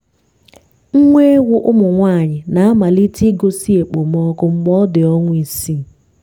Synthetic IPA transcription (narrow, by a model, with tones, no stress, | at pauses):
ŋ̩˦ŋʷe˦ɡʷʊ˦ʔʊ˦mʊ˨ŋʷaː˦˨ɲɪ˨na˨a˦ma˨li˦ti˦ɡo˦si˦e˨k͡po˨mɔ˦kʊ˦ŋ͡m̩˦ɡ͡bɔ˦dɪ˨ɔ˦ŋʷʊ˦i˨si˦˨